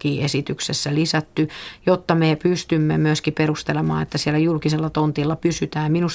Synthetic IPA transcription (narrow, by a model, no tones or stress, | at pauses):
kiːʔesit̪yksesːælisæt̪ːyjot̪ːɑmepyst̪ymːḛmyøskiperust̪elemɑ̰ːet̪ːæsielːæjulkiselːɑt̪ont̪ilːɑpysyt̪æːminus